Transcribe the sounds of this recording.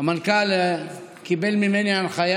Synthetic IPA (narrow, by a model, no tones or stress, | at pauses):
amankal | kibelmimenianχaja